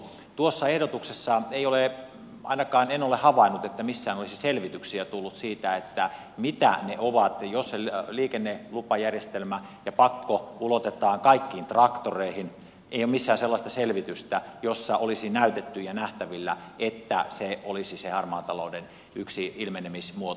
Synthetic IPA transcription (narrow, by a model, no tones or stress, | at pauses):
t̪uosːɑehdot̪uksesːɑeijole | ʔɑ̰inɑkɑːnenolehɑʋɑinːut̪et̪ːæmisːæːnolisiselʋit̪yksiæt̪ulːut̪siːt̪æet̪ːæ | mit̪æ̰neʔoʋɑt̪josːeliːkenːelupɑjærjest̪elmæjɑpɑkːoulot̪et̪ˑɑːŋkɑikːiːnt̪rɑkt̪oreihin | ḛˑijomisːæːnselːɑst̪ɑselʋit̪yst̪æjosːɑʔolisinæyt̪et̪ːyjɑnæht̪æʋilːæet̪ːæ̰seolisisehɑrmɑːt̪ɑloˑuden | yksiilmenemismuot̪